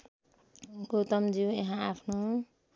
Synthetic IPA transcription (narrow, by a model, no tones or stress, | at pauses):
ɡot̪ʌmd͡ziujeɦãapʰno